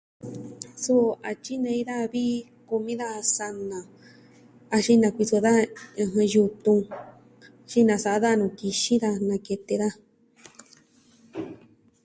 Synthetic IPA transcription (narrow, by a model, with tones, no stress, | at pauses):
su˦˧˨a˨t͡ʃi˦nẽ˧ĩ˦ða˦˧βi˦ | ku˧mĩ˦ða˦˧sa˧nã˨ | a˧ʃĩ˦nã˧kʷi˧so˧ða˦ã˧ɦã˧ju˧t̪ũ˧ | ʃĩ˦nã˨˧sa˧˨˦ða˦˧nũ˨ki˧ʃĩ˦ða˧nã˧ke˧t̪e˧ða˦